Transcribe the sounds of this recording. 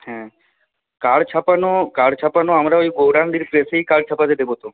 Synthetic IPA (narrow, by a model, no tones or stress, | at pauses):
hɛ̃ | kaɽt͡ʃʰapanokaɽt͡ʃʰapanoamɾaoiɡowɾandiɾpɾeseikaɽt͡ʃʰapat̪ed̪ebot̪o